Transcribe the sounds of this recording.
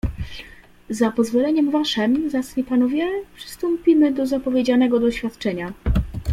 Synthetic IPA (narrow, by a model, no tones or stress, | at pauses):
zapɔzvɔlɛɲɛmvaʂɛmzasfʲipanɔvʲjɛpʂɘ̥st̪ɔmpʲimɘd̪ɔzapɔvʲjed͡ʑanɛɡɔd̪ɔɕfʲjat̪t͡ʂɛɲa